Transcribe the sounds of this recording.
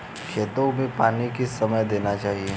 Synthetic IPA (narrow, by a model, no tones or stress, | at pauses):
kʰeːt̪õmẽpaːnikisɐməjd̪eːnat͡ʃaːɦie